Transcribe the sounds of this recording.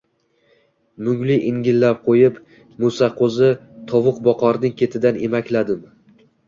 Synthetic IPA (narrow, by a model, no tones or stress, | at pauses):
mʊŋlɪʔɪŋɡʲɪlːap̚qʰojɪp | mʊsaqʰozɪt̪ʰɒvʊqbɒqʰɒɾnɪŋkʲʰe̞t̪ʰɪd̪anemakʲlad̪ɪm